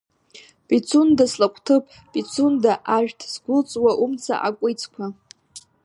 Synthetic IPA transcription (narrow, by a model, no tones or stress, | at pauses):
pʼit͡sʰundaslakʷʰʼtʰɨpʼ | pʼit͡sʰundaʔaʒᶣtʰsɡʷʊlt͡sʼwaʔumt͡sʰa̰ʔa̰kʷʼijt͡sʰʼkʷʰa